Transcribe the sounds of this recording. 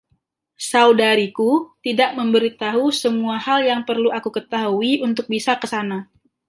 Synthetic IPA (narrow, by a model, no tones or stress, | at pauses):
saudaɾikut̪idaʔməmbəɾit̪aɦusəmuahaljaŋpərluʔakukət̪aɦuiunt̪ʊk̚bisakəsana